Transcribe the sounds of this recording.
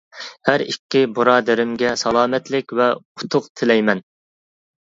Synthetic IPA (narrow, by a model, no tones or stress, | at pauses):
hæɾikʲːɪbuɾɑːd̪æɾɪmɡʲɛsɑlˠɑːmɛt̪lɪkʲvɛu̥t̪ʰʊqt̪ʰɪlɛjmɛn